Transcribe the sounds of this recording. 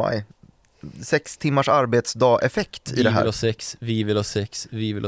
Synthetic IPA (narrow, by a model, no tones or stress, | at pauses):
a̰j | sɛkst̪ʰɪmːaʂaɾbeːt̪sd̪ɑːʔɛfɛkt̪ɪ̰d̪ɛɦæ̰ːlsɛksvɪvɪlhɑsɛksvɪvɪl